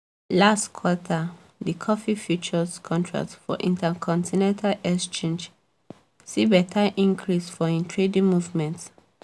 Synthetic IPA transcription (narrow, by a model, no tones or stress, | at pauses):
lastkʰwɔtʰa | dikʰɔfifjut͡ʃɔskʰɔ̃ntʰɹa̰k̚tfɔ̰ʔḭ̃ntʰakʰɔ̃ntʰinɛ̃ntʰalɛkst͡ʃẽnd͡ʒ | sibɛtʰaʔĩŋkʰɹisfɔĩntʰɹedĩmuvmɛ̃nt